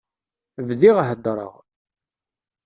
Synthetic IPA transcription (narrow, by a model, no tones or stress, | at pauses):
vðiʁaɦəd̪ːɾˤə̰ʁ